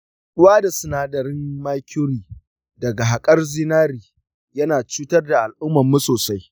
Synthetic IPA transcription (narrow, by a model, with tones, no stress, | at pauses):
ɗʊ˦waː˦da˨sʊ˨naː˦dɐ˨ɾɪ˦ŋmaː˦kʲʊ˦ɾiː˨ | dɐ˨ɡa˨ɦa˨kʼɐ˦rzɪ˦naː˦ɾiː˨ | jɐ˦naː˨t͡ʃuː˦tɐ˦rda˨ʔa˨lʔʊ˦mːɐ˨mːu˦soː˨sa˦j